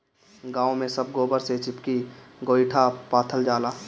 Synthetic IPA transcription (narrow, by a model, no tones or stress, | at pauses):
ɡaːõmẽsɐb̚ɡoːbəɾset͡ʃɪpkiɡoːɪʈʰapaːt̪ʰəld͡ʒaːlaː